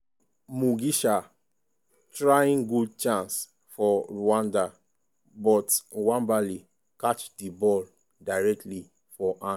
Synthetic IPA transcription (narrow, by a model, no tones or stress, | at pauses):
muɡiʃa | tɹajĩŋɡud̚t͡ʃãns | fɔɹuãnda | bɔtwãnbali | kat͡ʃdibɔl | daɹɛk̚tli | fɔʔã